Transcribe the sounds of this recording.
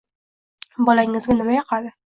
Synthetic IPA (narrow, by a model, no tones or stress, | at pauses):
bɒlaɪŋɘ̆zɡʲanɪmajɑqɑd̪ɪ